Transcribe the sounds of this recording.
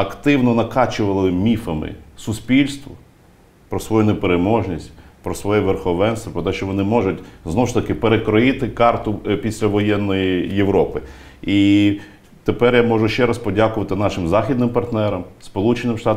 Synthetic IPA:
ɐkt̪ɪwnɔnɐkɑt͡ʃʊʋɐlˠɪmʲifɐmɪ̰sʊspʲilʲst̪ʋɔ | pɾɔsʋɔjunepeɾemɔʒnʲisʲtʲpɾɔsʋɔjɛʋerxɔʋɛnst̪ɔpɾɔt̪ɛʃt͡ʃɔʋɔnɪmɔʒʊtʲznɔwʊʃt̪ɐkɪpeɾekɾɔjɪt̪ɪkɑrt̪ʊpʲisʲlʲɐʋɔjɛnːɔjijeʋɾɔpɪ | i | t̪epɛrjamɔʒʊʃt͡ʃɛɾɐspɔdʲakʊʋɐt̪ɪn̪ɑʃɪmzɑxʲid̪nɪmpɐrt̪nɛɾɐmspɔlˠut͡ʃenɪmʃt̪ɑt̪

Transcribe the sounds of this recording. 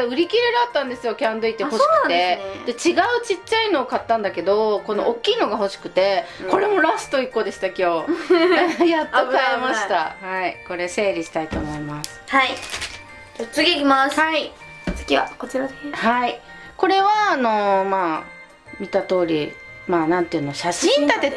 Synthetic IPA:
aɯ̟ɾʲikʲiɾeɾɯat̪ːãnd̪e̞sɨjo̞kʲãnd̪o̞it̪ːeho̞ɕi̥kɯe̞ened̪e̞t͡ɕiɡaɯ̟t͡ɕit͡ɕːaino̞ːkat̪ːãnd̪ake̞d̪o̞ko̞no̞̰ʔokʲːiːno̞ɡaho̞ɕi̥kɯ̟t̪e̞ko̞ɾe̞mo̞ɾasɨ̥t̪o̞ikːo̞d̪e̞ɕi̥t̪akʲo̞ː | jat̪ːokaemaɕit̪ahaiko̞ɾe̞se̞ːɾʲiɕi̥t̪ait̪o̞̰ːmo̞imasɨ̥hai | ot͡sɨɡʲikʲimasai̥ | kʲia̰koiɾahai | ko̞ɾe̞βaːno̞maː | mʲit̪at̪o̞ːɾʲimaːnãnt̪eɯ̟noɕaɕĩnd̪at̪e̞

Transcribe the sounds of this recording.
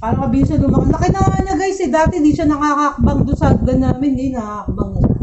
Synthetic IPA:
paːɾɐkɐbiːʊʃɐlʊmɐkɐɐkɪnalɐɡajsɪd̪aːt̪ɛɪnd̪iːʃɐnɐŋaːkɐʔɐk̚bɐŋd̪ʊsak̚ɡɐnːaːmɪnd̪inɐaɐk̚bɐŋd̪ʊsa

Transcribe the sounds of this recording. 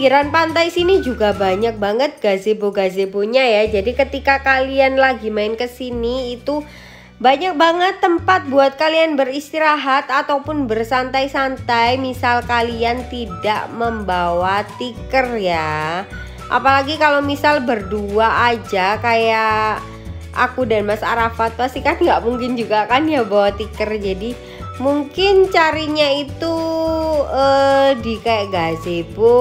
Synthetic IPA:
kiɾanpant̪ajsinid͡ʒuɡabaɲak̚baŋət̪̚ɡ̥azeboɡazeboɲajad͡ʒadikət̪ikakalianlaɡimaɪnkəsiniːt̪u | baɲak̚baŋət̪ːəmpat̪̚buat̪̚kalianbərist̪iɾaɦat̪at̪awpʊnbərsant̪ajsant̪ajmisalkaliant̪idaʔməmbawat̪ikərja | ʔa̰palaɡikalomisalbərduaʔad͡ʒakajaʔ | ʔa̰kudanmasaɾafat̪̚past̪ikanɡaʔmuŋkɪnd͡ʒuɡakanjabawat̪ikərd͡ʒadi | muŋkɪnt͡ʃaɾiɲait̪u | ədikaaʔɡazebʊ

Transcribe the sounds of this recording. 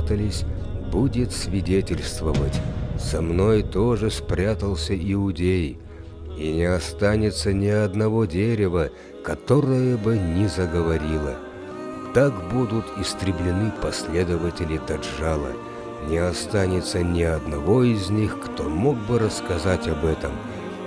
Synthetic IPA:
t̪əlʲɪsʲ | budʲɪt̪sʲvʲɪdʲetʲɪlʲst̪vəvətʲsɐmno̞jt̪o̞ʐɨspɾʲat̪əlˠsʲəʔɪʊdʲej | inʲɪɐst̪anʲɪt̪sənʲɪɐd̪nɐvo̞dʲeɾʲɪvə | kɐt̪o̞ɾəjəbɨnʲɪzəɡəvɐɾʲilˠə̰ | t̪akbud̪ʊt̪ɪst̪ɾʲɪblʲɪnɨpɐsʲlʲed̪əvətʲɪlʲɪt̪ɐʐalˠə̰ | nʲɪɐst̪anʲɪt̪sənʲɪɐd̪nɐvo̞ɪzʲnʲixkt̪omoɡ̚bɨɾəskɐzatʲɐbɛt̪əm

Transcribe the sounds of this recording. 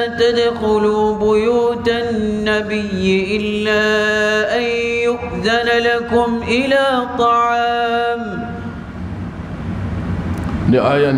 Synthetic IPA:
t̪ad̪xʊluːbʊjuːt̪anːabɪjːɪʔɪlːaːʔanjʊʔðanalakʊmʔɪlaːt̪ˤɑʕɑːm | neʔaːjaː

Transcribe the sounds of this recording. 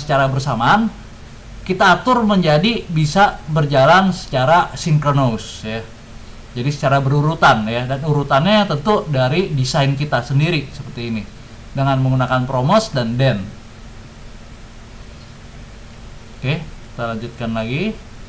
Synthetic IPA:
sə̥t͡ʃaɾabərsamaːn | kit̪aːt̪ʊrməɲd͡ʒadibisabərd͡ʒalansə̥t͡ʃaɾasiŋkənousja | d͡ʒadisə̥t͡ʃaɾabəɾuɾut̪anjadanuɾut̪anɲat̪ənt̪ʊdaɾidisajnkit̪asəndiɾisəpərt̪iːni | dəŋanməŋɡunakanpɾomosdandɛn | okeki̥t̪alaɲd͡ʒut̪̚kanlaɡi

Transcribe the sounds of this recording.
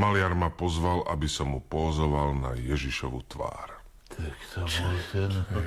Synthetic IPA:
malɪaɾmapɔzʋalʔabisamupɔɦɔzɔʋalna̰jɛʒiʃɔʋṵt̪ʋa̰ːɾ | t̪ʰakt̪t͡ʃt̪ɛ

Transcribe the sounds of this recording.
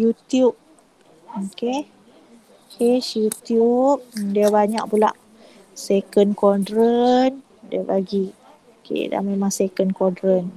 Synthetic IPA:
jut̪jup̚ | oke | okesjut̪jup̚diabaɲak̚pula̰ʔ | sekənkodɾən | dḭabaɡi | okḛda̰memaŋsekənkɔdɾən

